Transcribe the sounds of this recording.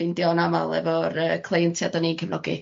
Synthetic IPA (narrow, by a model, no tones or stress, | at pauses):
ɪndjɔnama̰lˠɛ̰vɔɾəkʰlˠejəntʰjadɔninkʰəvnɔ̰ɡḭ